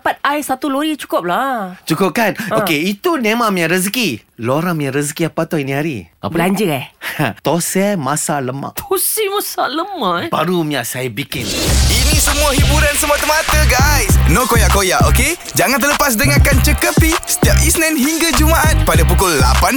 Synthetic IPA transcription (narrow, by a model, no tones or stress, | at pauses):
pat̪̚ajsat̪uloɾit͡ʃu̥kʊp̚lat͡ʃukʊp̚kanokeit̪unẽmamĩaʔɾəs̬kiloɾamĩaʔɾəskiapat̪ɔinĩɦaɾḭa̰bpəlaɲd͡ʒəɛt̪osɛmasaləma̰ʔt̪ʰosɛmasaləmaʔba̰ɾumiaʔsajbikɪninĩsəmuahibuɾansəmuat̪əmat̪əɡajsnokojaʔkːojaʔoke | d͡ʒaŋant̪ələpas̬dəŋakant͡ʃəkəpisə̥t̪iap̚isnãnɦiŋɡad͡ʒumaʔat̪̚padapukʊlːapan